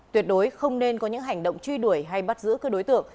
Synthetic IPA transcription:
t̪wi˨˩ət̚ɗo˨˦jxə˧wŋ͡mne˧nkɔ˨˦ɲɨ̰˧˥ŋɦa˨˩jŋ̟ɗo̰˧˨wŋ͡mt͡ɕwi˧ɗu˧˩əjɦa˧jɓa˦˥t̚zɨ̰˧˥kəː˧ɗo˨˦jt̪ɨ̰˧˨əŋ

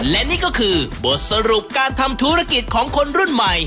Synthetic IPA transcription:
lɛ˦˥niː˥˩kɔː˥˩kʰɯː˧bo˨˩t̪̚sa˧ɾu˨˩p̚kaː˧nt̪ʰa˧mt̪ʰuː˦˥ɾa˧ki˨˩t̪̚kʰɔː˩˦ŋkʰo˧nɾu˥˩˨nma˨˩j

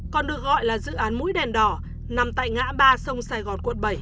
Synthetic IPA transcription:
kɔ˨˩nɗɨ˨˩ək̚ɣɔ̰˧˨jlaː˨˩zɨ̰˧˨ʔaː˨˦nmṵ˧˥jɗɛ˨˩nɗɔ˨˧˩ | na˨˩mt̪a̰ː˧˨jŋa̰ː˧˥ɓaː˧sə˧wŋ͡msaː˧jɣɔ˨˩nkwə̰˧˨nɓə˨˧˩j

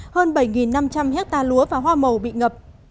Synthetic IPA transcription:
həː˧nɓə˧˩jŋi˨˩nːa˧mt͡ɕa˧mhɛ˦˥t̚t̪aː˧lu˨˦əvaː˨˩ɦwaː˧mə˨˩wɓḭ˧˨ŋə˨˩p̚

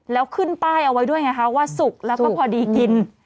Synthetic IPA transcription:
lɛː˦˥wkʰɯ˥˩npaː˥˩jʔa˧wa˦jdu˥˩əjŋa˦˥jkʰa˦˥waː˥˩su˨˩k̚lɛ˦˥wɔː˥˩pʰɔː˧˩diː˧ki˧n

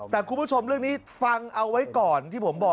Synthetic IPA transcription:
t̪ɛː˨˩kʰu˧mbu˥˩t͡ɕʰo˧mɾɯ˥˩əŋniː˦˥ | fa˧ŋʔa˧wːa˦˥jkɔː˨˩nt̪ʰiː˥˩pʰo˩˦mbɔː˨˩

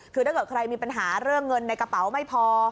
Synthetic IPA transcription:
kʰɯː˧da˥˩jkɤː˨˩t̪̚kʰɾa˧jmiː˧pa˧nɦaː˩˦ɾɯ˥˩əŋːɤ˧nːa˧jka˧pa˩˦wma˥˩jpʰɔː˧

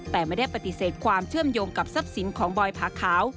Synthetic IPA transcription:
t̪ɛː˨˩maː˧˥˩da˥˩jpa˧˥t̪i˨˩seː˨˩t̪̚kʰwaː˧mt͡ɕʰɯ˥˩əmjoː˧ŋka˨˩p̚sa˦˥p̚si˩˦nkʰɔː˩˦ŋbɔː˧jpʰaː˨˥kʰaː˩˦w

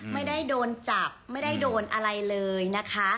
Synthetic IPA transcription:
ma˥˩jda˥˩jdoː˧nt͡ɕa˨˩p̚ma˥˩jda˥˩jdoː˧nʔa˧ɾa˧jlɤː˧jna˦˥kʰa˦˥ʔ

